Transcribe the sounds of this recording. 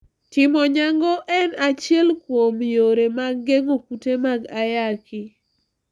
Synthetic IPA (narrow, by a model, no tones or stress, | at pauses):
tɪmɔɲaŋɡɔʔɛnat͡ʃɪɛlkwomjoɾemaɡːeŋokutemaɡajakɪ